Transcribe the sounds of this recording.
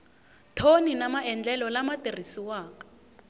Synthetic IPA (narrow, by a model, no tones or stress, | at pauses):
tʰoninamaɛnd͡ɮɛlɔlamatʼerisiwaːkḁ